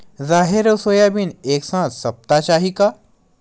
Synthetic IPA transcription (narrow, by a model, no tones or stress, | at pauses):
zaɦeɾəsojabiːneksãt̪səp̚t̪aɕaɦika